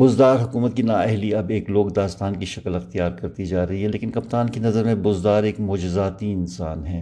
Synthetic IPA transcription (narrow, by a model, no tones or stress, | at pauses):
bʊzd̪aːɾɦʊkuːmət̪̚kinaːɛɦliɐbeːkloːɡd̪aːst̪aːnkiʃɐkəlɪxt̪ijaːɾkɐɾt̪id͡ʒaːɾɐɦiɦɛleːkɪnkɐpt̪aːnkenɐzəɾmẽbʊzd̪aːɾeːkmʊːd͡ʒɪzaːt̪iɪnsaːnɦɛ̃ː